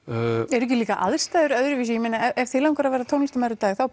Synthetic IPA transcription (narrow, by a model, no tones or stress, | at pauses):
ɛɾʏɛhcɪliːkaʔa̰ðst̪aːðʏɾœðɾʏvis̬ijɛmenaɛɛv̥θɪlawŋkɔɾavɛːɾat̪ʰownist̪amaɾʏt̪aːθaw